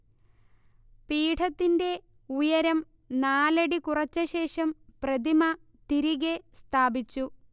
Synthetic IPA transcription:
piːʈʰɐt̪ːinde̞ | ujɐɾɐm | naːlɐɽikurɐt͡ɕːɐɕe̞ːʂɐmprɐd̪imɐ | t̪iɾiɣest̪ʰaːbit͡ɕːu

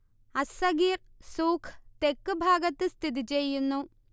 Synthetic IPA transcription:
ɐsɐɡiːrsuːkʰt̪ekːɨbʱaːɡɐt̪ːɨst̪ʰid̪it͡ɕejːunːu

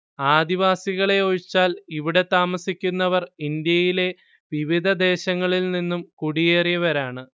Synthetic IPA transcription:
aːd̪iʋaːsiɣɐɭe̞oɻit͡ɕːaːliʋiɽe̞t̪aːmɐsikʲːunːɐʋɐrind̪jɐjile̞ | ʋiʋid̪ʱɐd̪e̞ːɕɐŋːɐɭilninːumkuɽijeːrijɐʋɐɾaːɳɨ

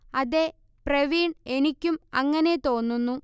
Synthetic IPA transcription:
ɐðe | preʋiːɳɖe̞nikʲːumɐŋːɐne̞t̪o̞ːnːunːu

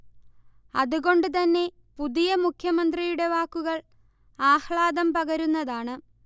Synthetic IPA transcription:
ɐðuɣo̞ɳɖɨt̪ɐnːe̞ | puðijɐmukʰjɐmɐnd̪rijuɽe̞ʋaːkːuɣɐɭ | aːhɭaːðɐmpɐɣɐɾunːɐðaːɳɨ

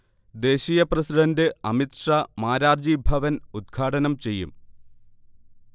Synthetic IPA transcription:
d̪e̞ːɕiːjɐprɐsiɖɐndɨɐmit̪ʂamaːɾaːrd͡ʑibʱɐʋɐnud̪̚ɡʰʱaːʈɐnɐmt͡ɕe̞jːṵm

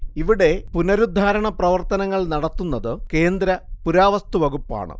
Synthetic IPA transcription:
iʋiɽe̞punɐɾud̪ʱːaːɾɐɳɐprɐʋɐrt̪ɐnɐŋːɐɭnɐɽɐt̪ːunːɐðɨke̞ːnd̪ɾɐpuɾaːʋɐst̪uʋɐɡupːa̰ːɳɨ̰

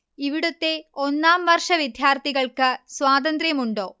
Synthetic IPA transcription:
iʋiɽut̪ːe̞onːaːmʋɐrʂɐʋid̪ʱjaːrt̪ʰiɣɐɭkɨswaːd̪ɐnd̪rjɐmuɳɖo̞̰ː

